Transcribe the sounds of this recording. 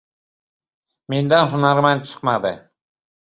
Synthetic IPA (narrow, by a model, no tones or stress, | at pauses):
mend̪ænɦʊnaɾman̚t͡ʃʰə̥qmɑd̪ə